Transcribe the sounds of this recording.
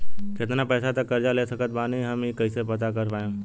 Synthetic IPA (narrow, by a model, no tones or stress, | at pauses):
kɪt̪napɛːsat̪əkːɐɾd͡ʒaleːsəkət̪̚baːniɦɐmekəisepɐt̪akəɾpaːẽ